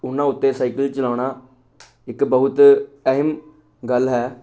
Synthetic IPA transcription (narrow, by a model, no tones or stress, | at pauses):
ʊnːãːʊt̪ːeːsaːikəlt͡ʃəlaːɳaː | ɪkbəɦʊt̪əɦəm | ɡəlɦɛː